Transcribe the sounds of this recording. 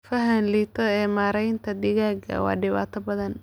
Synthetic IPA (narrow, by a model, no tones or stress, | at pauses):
fɐɦɐnliːt̪ʰɐɛːmaːɾɛjnt̪ʰɐd̪ɪɣaːɡɐ̰wɑ̰ːɖɪβa̰ːt̪ʰɐbɐðɐn